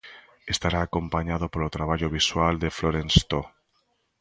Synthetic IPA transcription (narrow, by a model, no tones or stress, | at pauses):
est̪aɾaːkompaɲað̞opolot̪ɾaβ̞aʎoβ̞iswald̪efloɾenst̪o